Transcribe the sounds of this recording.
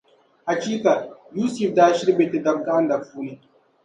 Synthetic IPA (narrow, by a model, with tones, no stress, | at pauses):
ha˨t͡ʃi˦ka˨juː˦si˨fdaː˦ʃi˦ɾbe˨ti˨da˨b̚ɡa˦nda˨fuː˦ni˨